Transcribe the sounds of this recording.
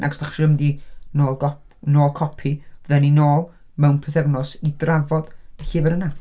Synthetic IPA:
nʔa̰ɡɔsd̥aχʃəmdinoːlˠɡɔ | noːlˠkʰɔpʰivəðɛninoːlˠ | mɛwnpʰəθɛvnɔsidravɔd̥əɬiːvəɾəna

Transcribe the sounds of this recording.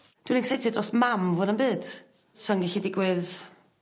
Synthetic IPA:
d̥winisejtʰɨdrɔsmamvʊnəmbɨːd̥ | sɔnɡɛɬidɪɡwɨð

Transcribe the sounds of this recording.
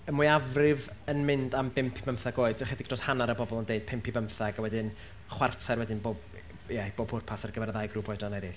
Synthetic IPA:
əmujavrɪvənmɪndambɪmpʰib̥əmθaɡoːɨd̥χɛdɪɡd̥rɔshanaɾəbɔbɔlˠəndeɨd̥̚pʰɪmpʰibəmθaɡawɛdɪn | χwartʰarwɛdɪnboːb̥ | jɛb̥oːbʰʊrpʰasarɡəvɛɾðajɡrubɔdanɛɾɪɬ

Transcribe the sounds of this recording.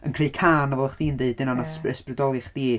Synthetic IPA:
ənkʰr̥eɨkʰaːnɔvɛlˠəχd̥iːndeɨd̚ɪnanasɨsprɨdɔlˠɨχd̥iː

